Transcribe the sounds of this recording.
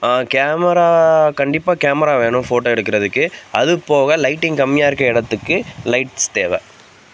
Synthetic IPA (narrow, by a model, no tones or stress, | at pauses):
kaːmɐɾaːkɐɳɖɪpːaːkaːmɐɾaːʋeːɳʊ̃foːʈːoːɛɽɯkːɪɾɐðɯkːɯɐðɯpoːɣɐlɐɪʈːɪŋkɐmːɪjaːɪɾɯkːɐɪɽɐt̪ːɯkːɯlɐɪʈst̪eːʋɛ